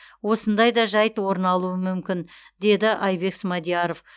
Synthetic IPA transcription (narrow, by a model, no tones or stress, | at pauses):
wo̞sənd̪ɑjd̪ɑʒɑjt̪wo̞ɾənɑlˠuəmʏmkʲɪn | d̪e̞d̪ɪʔɑjbe̞ksmɑd̪ijaɾo̞f